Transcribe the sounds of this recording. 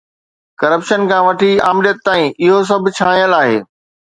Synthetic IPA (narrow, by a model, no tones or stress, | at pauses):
kɐɾəpʃənkʰãːʋɐʈʰiaːmɪɗjət̪ːaːĩʔɪɦos̬ɐbʱɪ̆t͡ɕʰaːĩjəlaːɦḛː